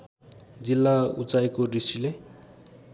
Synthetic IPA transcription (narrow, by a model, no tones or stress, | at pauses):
d͡zilːaṵt͡sajkoɾisile